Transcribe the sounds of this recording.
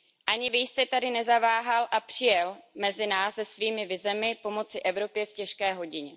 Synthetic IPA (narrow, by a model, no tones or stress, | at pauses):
ʔaɲɪvɪjst̪ɛt̪adɪnɛzavaːɦalʔapr̝̥ɪjɛlmɛzɪnaːsːɛsviːmɪvɪzɛmɪpo̞mo̞t͡sɪʔɛvɾo̞pjɛfcɛʃkɛːɦo̞ɟɪɲɛ